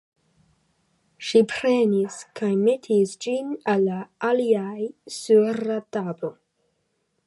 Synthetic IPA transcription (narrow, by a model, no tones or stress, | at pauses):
ʃipʰɾeniskʰajmetʰisd͡ʒinalːaʔaliajsuɾatabo